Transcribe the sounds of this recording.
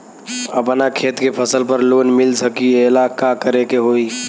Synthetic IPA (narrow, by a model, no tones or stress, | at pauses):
əpnakʰet̪kepʰəsəlpəɾlonmilsəkielakakəɾekeɦoi